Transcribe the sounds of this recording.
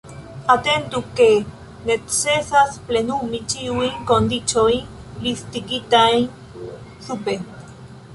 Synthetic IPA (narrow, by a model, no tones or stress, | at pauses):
at̪ent̪uke | net̪sesasplenumit͡ʃiwiŋkond̪it͡ʃoin | list̪ikit̪ain | supe